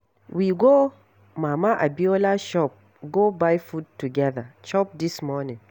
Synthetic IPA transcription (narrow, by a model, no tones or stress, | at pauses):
wiɡo | mamaʔabiolaʃɔp̚ | ɡobajfud̚tuɡɛðaʃɔp̚dismɔnĩŋ